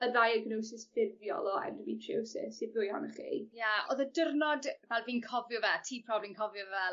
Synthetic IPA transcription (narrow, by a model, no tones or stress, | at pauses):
ədajaɡnowsɪsfɪrvjɔ̰lˠɔɛ̰ndəvitʰowsɪ̰sɪbʊjhɔ̰nəχḭːjaoːðədərnɔdvɛlˠviːnkʰɔvjɔvɛtʰiːpʰrɔblinkʰɔvjɔvɛ